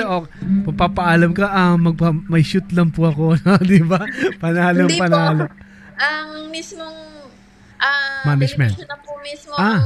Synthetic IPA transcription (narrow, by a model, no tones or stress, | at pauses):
ʔo | pɐɡ̚papɐʔaːlɐmkɐʔɐmɐɡ̚pamɐjʃut̪lɐŋpʊɐkonod̪ɪbapɐnaːloŋpɐnaːlo | ɐŋmismoŋ | ʔɐmanɐd͡ʒmɛ̰nt̪nɐpomismoa